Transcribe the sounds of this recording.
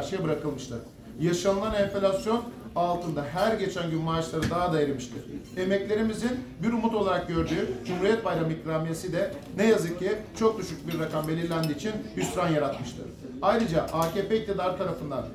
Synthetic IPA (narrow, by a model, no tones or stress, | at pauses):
ɾʃejbɯɾakɯlˠmɯʃt̪ʰˠɯ̰ɾ̥ | jaʃanɯlˠanemfelʲasjo̞nalˠt̪ʰɯnd̪aɦæɾɟe̞t͡ʃʰænɟymmaːt͡ʃlˠaɾɯd̪aɦad̪ajeɾimɯʃt̪ʰɯɾ̥e̞mɛclʲe̞ɾimizinbiɾumut̪o̞lˠaɾak̚ɟø̞ɾd̪yːd͡ʒumhuɾijɛt̪̚bajɾamikɾaːmijesid̪ɛnejazɯk̚cʰːit͡ʃʰo̞k̚d̪yʃyc̚biɾːakambe̞lʲiɾlʲænd̪iːt͡ʃʰinhysɾanjaɾat̪mɯʃt̪ʰɯ̰ɾ | ajɾɯd͡ʒaʔaːceːpeic̚t̪ʰid̪aɾt̪ʰaɾafɯnd̪an